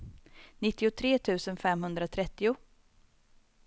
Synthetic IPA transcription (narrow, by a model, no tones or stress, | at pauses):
nɪt̪ːɪʊt̪ʰɾeːt̪ʰʉ̟ːsənfɛmɦɵnd̪ɾat̪ʰɾɛt̪ːɪʊ